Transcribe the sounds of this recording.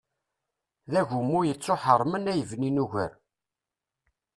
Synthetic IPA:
ðæʝumːujət͡sːoħəɾˤmənæjəvninuʝə̰ɾ

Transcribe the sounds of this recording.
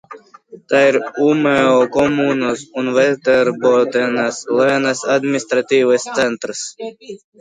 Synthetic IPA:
t̪aːiɾumeɔkɔmuːnosunvɛt̪ɛɾbɔt̪ɛnaslˠɛnasad̪minist̪ɾat̪ʲiːvɨst̪sɛnt̪ɾɨs

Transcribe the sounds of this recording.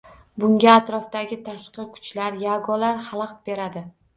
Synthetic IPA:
bʊŋɡʲaːt̪ɾɒft̪aɡʲɪt̪ʰaʃqɨkʰʊ̥t͡ʃlaɾjaɡɒlaɾhalˠɑq̚be̞ɾad̪ɪ

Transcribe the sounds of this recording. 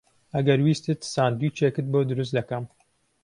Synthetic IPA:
ʔɐɡɐɾwiːst̪ɨt̪saːnd̪ut͡ʃʰeːkɨt̪̚boːd̪ɨɾɨs̬t̪d̪ɐkɐm

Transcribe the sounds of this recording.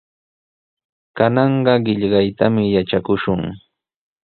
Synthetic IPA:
kanɑɴɢɑɢɪʎɢɑjt̪amɪjaʈ͡ʂakʊʃʊŋ

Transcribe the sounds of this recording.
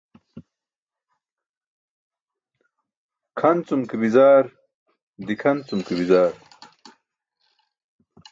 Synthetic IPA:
kʰɐnt͡sumkibizaːɾ | d̪ikʰɐnt͡sumkibizaːɾ

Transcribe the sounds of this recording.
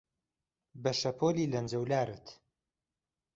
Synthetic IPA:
bɐʃɐpʰoːlilɐnd͡ʒɐwlaːɾɨt̪

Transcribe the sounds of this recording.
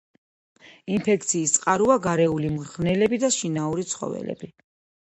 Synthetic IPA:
inpʰɛk̚ʰt̪sʰiːst̪sʼqʼaɾuaɡaɾɛulimʁnɛlɛbid̪aʃinauɾit̪sʰχɔ̰vɛ̰lɛ̰bi

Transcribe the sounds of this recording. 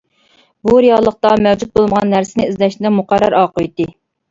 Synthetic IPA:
buɾijɑlˠːəχt̪ɑmɛwd͡ʒut̪̚bolˠɨməʁɑnːæɾsɪnɪizlɛʃnɪd̪ɛmʊqʰɑɾːɑɾɑːqəjt̪ːɪ

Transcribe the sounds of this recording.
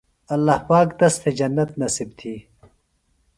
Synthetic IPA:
ɐlːaːhpaːkd̪ɐst̪ʰed͡ʒɐnːɐt̪nɐsibt̪ʰiː

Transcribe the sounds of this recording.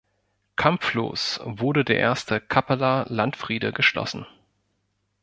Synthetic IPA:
kʰamflo̰ːsvʊɐdədeːɐʔeːɐstʰəkʰapəlalantfʁ̥iːdəɡəʃlɔ̰sn̩

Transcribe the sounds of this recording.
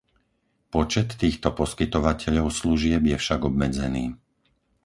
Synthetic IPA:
pɔt͡ʃɛt̪ːiːxt̪ɔpɔskit̪ɔʋacɛʎɔʊsluʒɪɛbjɛfʃaɡɔbmɛd͡zɛniː

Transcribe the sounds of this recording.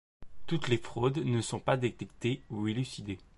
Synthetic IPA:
t̪ut̪lefχod̪nəsɔ̃pad̪et̪ɛk̚t̪euilysid̪e

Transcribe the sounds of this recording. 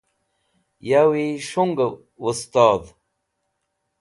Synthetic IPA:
jawiʂuŋɡ | ust̪aːd̪

